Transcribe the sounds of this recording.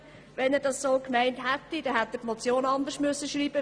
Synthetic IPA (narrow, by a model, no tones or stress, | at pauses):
ʋɛnɛːd̥ɑssoːkmæɪnthæt̪ːid̥ɛhæt̪ːətmɔt͡sjoːnɑnd̪əʃmʉsːəʃɾiːb̥ə